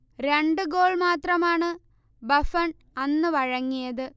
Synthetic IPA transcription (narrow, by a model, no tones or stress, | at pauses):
ɾe̞ɳɖɨɡo̞ːɭmaːt̪rɐmaːɳɨ | bɐfɐɳ | ɐnːɨʋɐɻɐŋːijɐðɨ